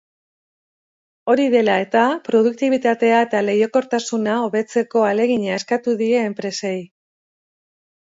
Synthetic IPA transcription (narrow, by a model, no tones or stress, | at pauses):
o̞ɾiðe̞lae̞t̪apɾo̞ð̞uk̚t̪iβit̪at̪e̞ae̞t̪ale̞jo̞ko̞ɾt̪asunao̞βe̞t͡se̞ko̞ale̞ɣiɲae̞skat̪uðie̞ːmpɾe̞se̞j